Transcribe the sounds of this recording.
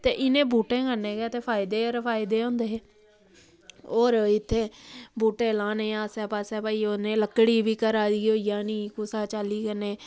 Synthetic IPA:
t̪ḛːʔɪnẽːbuːʈẽːkənẽːɡɛːt̪eːpʰaːɪd̪eːəɾpʰaːɪd̪eːõːnd̪eːɦeː | oːɾɪt̪ʰːeːbuːʈẽːlaːnẽːaːsɛːpaːsɛːpaːiːoːnẽːləkːɽiːʋiːkəɾaːd̪iːoːijãːniːkʊsaːt͡ʃaːliːkəneː

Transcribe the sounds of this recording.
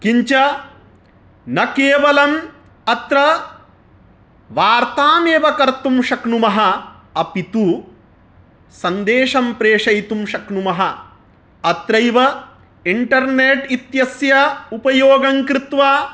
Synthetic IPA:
kiɲt͡ʃɐ | nɐkeːʋɐlɐm | ɐt̪ɾɐ | ʋaːɾt̪aːmeːʋɐkɐɾt̪umʃɐkɳumɐɦɐ̆ | ɐpit̪u | sɐnd̪eːʂɐmpɾeːʂɐjt̪umʃɐkɳumɐɦɐ | ɐt̪ɾɐjʋɐ | iɳʈɐɾneːʈit̪jɐsjɐupɐjoːɡɐŋkɾɪt̪ʋaː

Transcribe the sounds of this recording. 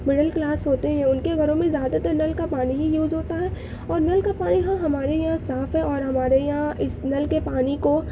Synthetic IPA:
mɪɖəlklaːsɦoːt̪eɦɛ̃ʊnkeɡʱɐɾõmẽzjaːd̪at̪ɐɾnɐlkapaːniɦijuːzɦoːt̪aɦɛ | ɔːɾnɐlkapaːnijɦãɦɐmaːɾejɐɦãsaːfɦɛ̃ɔːɾɦɐmaːɾejɐɦãʔɪsnɐlkepaːniko

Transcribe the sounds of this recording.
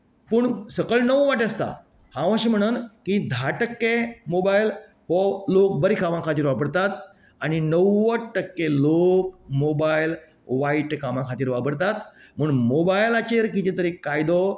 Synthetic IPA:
pəːɳsəkəɭnəʋʋaʈ̬ast̪a̰ | hãʋə̃ɕim̤əɽ̃uːnkid̪ʱaʈəkːemobajl | ɦɔlok̚bəɾikʰamãkʰat̪iːɾʋapəɽt̪at̪ | añinəwːəʈːəkːelokmobajl | ʋaiʈkamãkʰat̪iːɾʋapəɾt̪at̪ | m̤əːɳmobajlat͡ɕeɾkit̪ĩt̪əɾikːajd̪o

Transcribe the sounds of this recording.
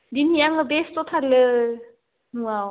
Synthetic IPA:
d̪inijaŋɯbest̪ot̪ʰalɯ | nuaw

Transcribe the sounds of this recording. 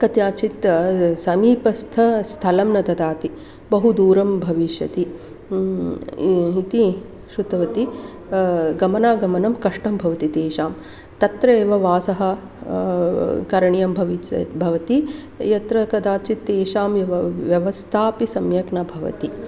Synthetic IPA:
kɐt̪jaːt͡ʃit̪sɐmiːpɐst̪ʰɐst̪ʰɐlɐmnɐt̪ɐd̪aːt̪i | bɐɦud̪uːɾɐmbʱɐʋiʃjɐt̪i | it̪i | ʃɾut̪ɐʋɐt̪i | ɡɐmɐnaːɡɐmɐnɐmkɐʂʈɐmbʱɐʋɐt̪it̪eːʃaːm | t̪ɐt̪ɾɐeːʋɐʋaːsɐɦɐ̆ | kɐɾɐɳjɐmbʱɐʋibʱɐʋɐt̪i | jɐt̪ɾɐkɐd̪aːt͡ʃit̪ːeːʃaːmɐʋjɐʋɐst̪ʰaːpisɐmjɐknɐbʱɐʋɐ̰t̪i

